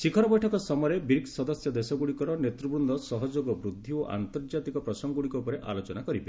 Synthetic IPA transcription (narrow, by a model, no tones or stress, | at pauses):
sikʰɔɾɔbɔjʈʰɔkɔsɔmɔɾebiɾiksɔd̪ɔsjɔd̪esɔɡuɽikɔɾɔnet̪ɾubɾund̪ʱɔsɔɦɔd͡ʒoɡɔbɾud̪ʱːioʔa̰nt̪ɔɾd͡ʒat̪ikɔpɾɔsɔŋɡuɽikɔupɔɾeʔa̰lot͡ʃɔnakɔɾibe